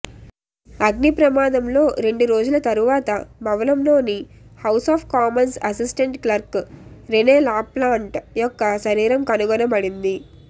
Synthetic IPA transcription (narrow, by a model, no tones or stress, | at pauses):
ɐɡnipɾɐmaːd̪ɐmlo̞ːɾe̞ɳɖuɾo̞ːd͡ʒulɐt̪ɐɾuʋaːt̪ɐmɐʋɐlɐmlo̞ːni | hɐwsaːpʰkaːmɐnsɐsisʈɐɳʈklɐɾkɾeneːlaːplaːɳʈjɔkːɐʃɐɾiːɾɐmkɐnuɡɔnɐbɐɽind̪i